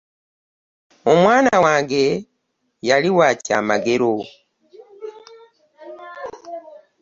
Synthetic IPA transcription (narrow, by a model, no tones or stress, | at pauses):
o̞mwaːnawaːŋɡe̞ | jaliwaːca̰ːmaɡe̞ɾo